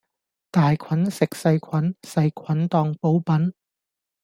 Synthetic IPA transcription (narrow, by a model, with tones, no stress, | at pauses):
t̪aː˨jkʰwɐ˨˥nsɪ˨k̚sɐ˧jkʰɐ˨˥nsɐ˧jkʰɐ˨˥nt̪ɔː˧ŋpo˨˥wpɐ˨˥n